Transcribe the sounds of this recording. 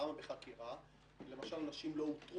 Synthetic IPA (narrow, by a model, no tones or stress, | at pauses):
amabeχakiʁa | le̞maʃalanaʃimlo̞ut̪ʁ